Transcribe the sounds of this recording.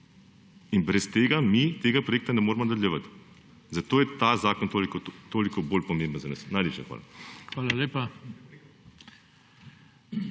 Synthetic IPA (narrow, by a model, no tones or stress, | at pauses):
inbɾɛst̪eːɡamit̪eːɡapɾojeːk̚t̪anɛmoːɾmɔnɐd̪əljɛʋat̪ | zat̪oːjɛt̪azaːkɔnt̪oːlikot̪oːlikɔboːlpɔmẽmbənzanɐsnajleːpʃaxʋa̰ːla̰xʋaːlaleːpa